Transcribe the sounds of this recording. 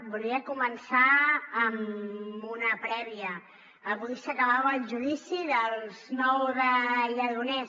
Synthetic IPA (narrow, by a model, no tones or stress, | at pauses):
buliəkumənsaːmunəpɾɛβ̞iəː | βuɣisəkəβaβːlˠʒuðisiðəlˠznɔwðəʎəðunɛ